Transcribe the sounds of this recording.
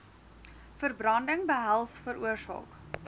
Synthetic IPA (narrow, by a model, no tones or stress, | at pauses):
fərbrɐndəŋbəɦælˠsfəɾuərsɑ̰ːk